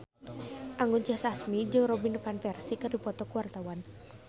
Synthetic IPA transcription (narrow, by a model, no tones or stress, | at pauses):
ʔaŋɡunt͡ʃəhsasmid͡ʒɨŋrɔbinukanfɛrsikɨrdipɔt̪ɔkuwart̪awan